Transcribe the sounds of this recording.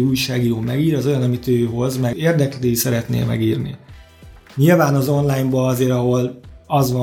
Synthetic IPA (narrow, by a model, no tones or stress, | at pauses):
ujʃaːɡijoːmɛɡiːɾɛzojɒnɒmit̪øːɦo̞zmɛeːrd̪ɛkleːisɛɾɛt̪nḛːlmɛ̰ɡiːrnḭ | ɲilvaːnɒzo̞nlaːjmbɒɒzeːɾɒɦo̞lɒzvɒ